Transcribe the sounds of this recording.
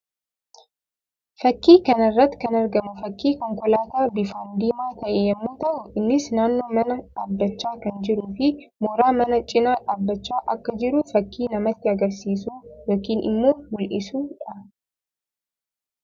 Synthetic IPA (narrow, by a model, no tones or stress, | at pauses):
fɐkːiːkɐnɐrːɐt̪ːɪ̥kɐnɐɾɡɐmʊfɐkːiːkɔŋkɔlaːt̪aːbɪfɐnd̪iːmaːt̪ɐʔɛjɛmːuːt̪ɐʔʊʔɪnːɪsnaːnːo̞ːmɐnɐᶑaːbːɐt͡ʃːaːkɐnd͡ʒɪɾuːfɪ | moɾaːmɐnɐt͡ʃʼɪnaːᶑaːbːɐt͡ʃːaːʔɐkːɐd͡ʒɪɾʊfɐkːiːnɐmɐt̪ːɪɐɡɐɾsiːsuːjoːkiːnɪ̰mːo̞ːmʊlʔɪsuːᶑɐ